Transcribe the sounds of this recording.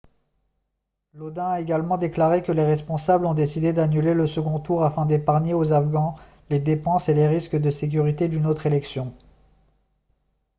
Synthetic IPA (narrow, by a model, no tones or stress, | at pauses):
lod̪ɛ̃aeɡalmɑ̃d̪eklaʁekəleʁɛspɔ̃sablɔ̃d̪esid̪ed̪anyleləsəɡɔ̃t̪uʁafɛ̃d̪epaʁɲeozafɡɑ̃ | led̪epɑ̃seleʁiskd̪əsek̬ʲyʁit̪ed̪ynot̪χelɛksjɔ̃